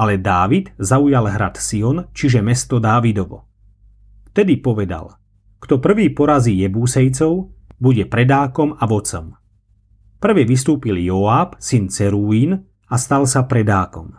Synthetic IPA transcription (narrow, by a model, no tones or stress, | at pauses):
alɛd̪aːʋid̪zaujalɦɾat̪siɔnt͡ʃiʒɛmɛst̪ɔd̪aːʋid̪ɔʋɔ̰ | ft̪ɛd̪ipɔʋɛd̪a̰l | kt̪ɔpr̩ʋiːpɔɾaziːjɛbuːsɛjt͡sɔʊbuɟɛpɾɛd̪aːkɔmaʋɔt͡sɔm | pr̩ʋɛʋist̪uːpiljɔaːpsint͡sɛɾuiːn | ast̪alsapɾɛd̪aːkɔm